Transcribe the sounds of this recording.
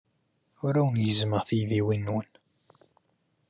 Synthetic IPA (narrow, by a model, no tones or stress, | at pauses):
ʊɾæwənjəzməʁθijðiwinːwən